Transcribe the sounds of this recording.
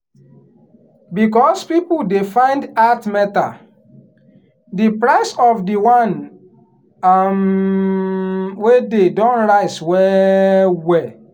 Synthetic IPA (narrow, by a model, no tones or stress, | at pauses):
bikɔspipodefãɪ̃ndatmɛta | dipɹaɪsɔfdiwãn | m | wededɔ̃nɹaɪswɛ | wɛ